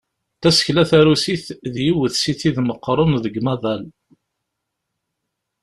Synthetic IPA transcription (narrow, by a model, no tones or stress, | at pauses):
θæsə̥çlæθæɾusiθðjiwəθsiθiðməqːɾˤonðəɡmæðˤæl